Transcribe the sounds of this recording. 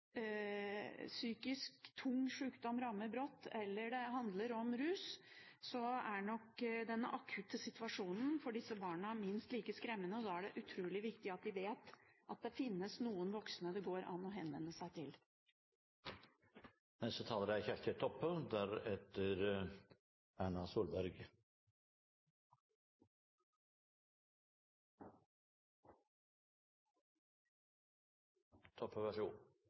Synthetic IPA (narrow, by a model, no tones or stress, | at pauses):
syːkɪskt̪ʰʊŋːʂʉːkd̪ɔmɾɑmːəɾbɾɔt̪ːɛlːəɖɛɦɑnd̪ləɾɔmɾʉːssɔæɳɔkd̪ɛnːə̰ʔɑkʰʉːt̪əsɪt̪ʋɑʂuːnn̩fɔɖɪsːəbɑːɳəæɾmɪnst̪liːkəskɾɛmːənəɔd̪ɑæɖɛʔʉt̪ʰɾuːlɪʋɪkt̪ɪɑt̪̚d̪ɪʋeːt̪ʔɑt̪̚d̪ɛfɪnːəsnuːənʋɔksnəd̪ɛɡoːɾʔɑ̰nːɔɦɛnʋɛ̰nːəsæɪt̪ʰɪl | nɛst̪ət̪ʰɑːləɾæçæʂt̪ʰet̪ʰːɔpːəd̪æɾɛt̪əɾ | æːɳɑsuːlbæɾɡ | t̪ʰɔpʰːəʋæʂṵːn